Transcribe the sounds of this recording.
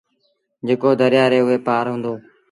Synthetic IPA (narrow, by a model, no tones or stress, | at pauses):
d͡ʒeːkoːd̪əɾɪjaːɾeːʊɦeːpaːɾɦũːnd̪oː